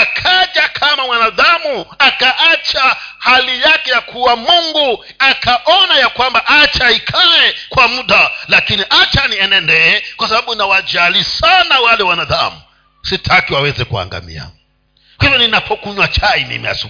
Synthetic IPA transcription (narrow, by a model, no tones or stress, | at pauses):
akʰaʄakʰamamwanaðamuakaʔat͡ʃahalijakɛjakʰuwamuŋɡu | akʰaʔɔnajakwambaʔat͡ʃaikʰawɛkwamuɗalakiniʔat͡ʃaniɛnɛndɛkwasaɓaɓunawad͡ʒalisanawalɛwanaða̰mu | sitʰakiwawɛzɛkua̰ŋɡa̰mḭa̰ | kahivɔninapʰɔkuɲwat͡ʃaimḭmḭha̰su